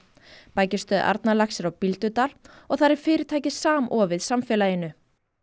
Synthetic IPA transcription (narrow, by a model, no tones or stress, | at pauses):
paːjcɪst̪œːðʔa̰ɾt̪nalaxsɪɾawpilt̪ʏt̪aːl | ɔɣθaɾɛɾ̥fɪːɾɪɾ̥t̪ʰaːjcɪsaːmʔɔːvɪðsamfɛːlajɪnːʏ